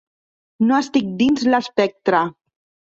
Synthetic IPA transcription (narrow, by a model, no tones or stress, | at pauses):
noəst̪ik̚d̪inzlaspɛk̚t̪ɾa